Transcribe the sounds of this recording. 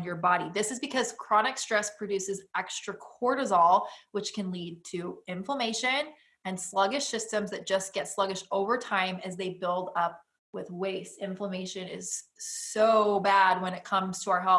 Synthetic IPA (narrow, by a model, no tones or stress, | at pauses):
njə˞bɑɾiðɪsɨzbɨkʰʌz̥kʰɹ̥ɑnɨkstɹ̥ɛspʰɹ̥ɨdʉsɨzɛkstɹ̥ɨkʰɔɹɾɨzɔlˠwət͡ʃkʰɨ̃nlid̚tʰɨɪ̃ɱfləmeɪʃɨ̃n | ɨ̃nslʌɡɨʃsɪstɨ̃mzðɨt̚d̥ʒ̥ʌsɡ̥ɛtslʌɡɨʃtoʊvə˞tʰãɪ̃mɨzðeɪbɪlˠdʌp̚ | wɪðweɪsɪ̃ɱfləmeɪʃɨ̃nɪ̰z̥soʊbæd̚wə̃ñɨt̚kʰʌ̃mz̥tʰəaʊə˞ɦɛ